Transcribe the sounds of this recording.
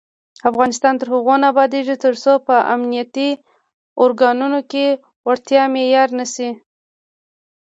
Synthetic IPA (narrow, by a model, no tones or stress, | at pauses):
afɣɑnɪst̪ɑnt̪əɾhʊɣonabɑd̪eʐit̪əɾsopəʔa̰mnijat̪i | ʊɾɡɑnunoke | waɾt̪jɑmejɑɾnasi